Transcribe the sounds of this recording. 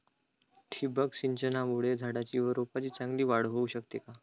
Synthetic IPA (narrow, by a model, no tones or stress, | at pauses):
ʈʰibəkɕiɲt͡ɕənamuɽed͡zʱaɽat͡ɕiːʋəɾopat͡ɕiːt͡sãŋɡliːʋaɽ̤ɦouɕəkt̪eka